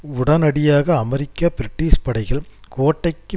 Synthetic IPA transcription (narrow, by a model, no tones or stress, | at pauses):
ʊɽɐnɐɽɪjaːɣɐːmɛɾɪkːapɪɾɪʈːiːspɐɽɐɪɣɐɭ | koːʈːɐɪkːɯ